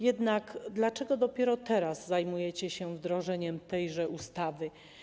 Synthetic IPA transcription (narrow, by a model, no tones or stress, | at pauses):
jɛd̪nakd̪lat͡ʂɛɡɔd̪ɔpʲjɛɾɔt̪ɛɾazzajmujɛt͡ɕɛɕɛvd̪ɾɔʐɛɲɛmt̪ɛjʐɛʔust̪avɘ